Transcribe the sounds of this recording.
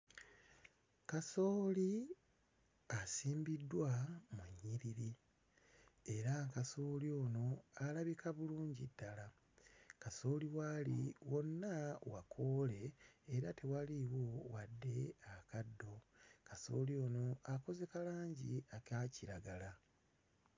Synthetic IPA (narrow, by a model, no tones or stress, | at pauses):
kaso̞ːli | asiːmbidːwamuɲːiɾiɾi | e̞ɾakaso̞ːlio̞ːno̞alaβikaβuluːɲɟidːala | kaso̞ːliwalḭwo̞nːawa̰kʰo̞ːle̞ːɾate̞waliwowadːe̞akadːo̞kaso̞̰ːlioːno̞ako̞ze̞kalaːɲɟiakaciɾaɡala